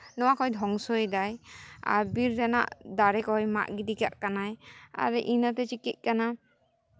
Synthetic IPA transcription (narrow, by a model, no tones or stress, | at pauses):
nɔwakɔjdʱɔŋsɔjdaja̰biɾdɛna̰ʔdaɾɛkɔjma̰ʔɡidikaʔkanaja̰ɾɛʔinɔt̪ɛt͡ʃikit̚ˀkana